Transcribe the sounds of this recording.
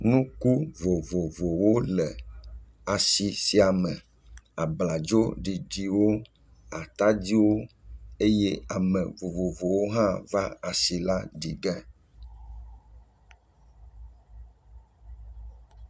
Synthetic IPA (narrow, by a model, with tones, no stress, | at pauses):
nũ˦ku˦vo˨vo˨vo˨wo˦lɛ˨ | a˨si˨si˦a˨mɛ̃˨ | a˨bla˨d͡ʒo˦ɖi˨ɖi˨wo˦ | a˨t̪a˦d͡ʑi˦wo˦e˦jɛ˦a˨mɛ̃˨vo˨vo˨vo˨wo˦ɦã˦va˦a˨si˨la˦ɖi˨ɡɛ˦